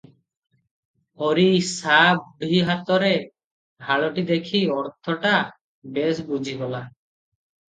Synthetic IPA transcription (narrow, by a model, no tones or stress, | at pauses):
ɔɾisabuɽ̤iɦat̪ɔɾe | bʱaɭɔʈid̪ekʰiɔɾt̪ʰɔʈa | besbud͡ʒʱiɡɔla